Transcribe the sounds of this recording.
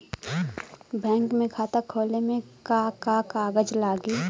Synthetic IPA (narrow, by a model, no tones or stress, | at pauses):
bɛ̃ːŋkmẽkʰaːt̪əkʰoːlemẽkakakaːɡəd͡ʒlaːɡiː